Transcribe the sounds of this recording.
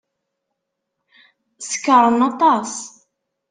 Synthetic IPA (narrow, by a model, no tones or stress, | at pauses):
sə̥kːəɾˤənɑt̪ˤɑs